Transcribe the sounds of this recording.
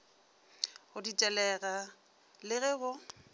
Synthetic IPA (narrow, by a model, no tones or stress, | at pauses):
hʊdit͡ʃʼɛlɛɣa | lɪɣɛbʊ